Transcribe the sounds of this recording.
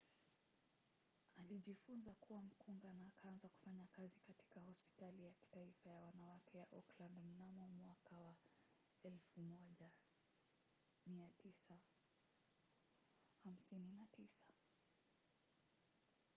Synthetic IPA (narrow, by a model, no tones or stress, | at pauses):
aliʄifunzakuwam̩kuŋɡanaːkaanzaku̥faɲakazikati̥kahɔspi̥talijaki̥taifajawanawakʰɛjaʔɔklabm̩namɔmwakawa | ɛlfumɔʄa | miatisa | ham̩sininatisḁ